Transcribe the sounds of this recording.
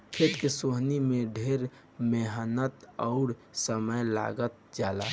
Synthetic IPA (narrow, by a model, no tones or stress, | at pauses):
kʰet̪kesoɦnimẽɖʱeɾ | meɦənət̪ɔʊɾsəməjla̰ːɡət̪̚d͡ʒaːla̰